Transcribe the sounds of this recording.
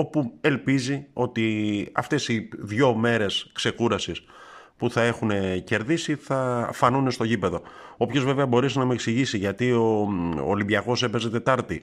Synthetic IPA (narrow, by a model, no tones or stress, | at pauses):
o̞pue̞lpizio̞t̪iɐ̰ft̪e̞siðʝo̞me̞ɾe̞skse̞kuɾɐsis | puθɐe̞xune̞ce̞ɾðisiθɐfɐnune̞st̪o̞ʝipe̞ðo̞ | o̞pço̞zve̞veɐbo̞ɾesinɐmeeksiʝisiʝɐt̪io̞̰ːlibʝɐɣo̞se̞pe̞zet̪e̞t̪ɐɾt̪i